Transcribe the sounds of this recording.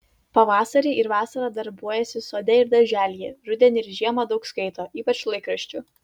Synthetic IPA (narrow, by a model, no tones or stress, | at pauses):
pɐʋɑːsɐɾʲiːɪɾʋɑːsɐɾɑːd̪ɐɾbuɔjɛsʲɪsoːd̪ʲɛɪɾd̪ɐʒʲæːlʲjɛːɾʊd̪ʲɛnʲɪɾʒʲiɛmɐd̪ɒʊkskɐɪt̪oːʔiːpɐt͡ʃlˠɐɪkɾɐʃʲt͡ʃʲʊ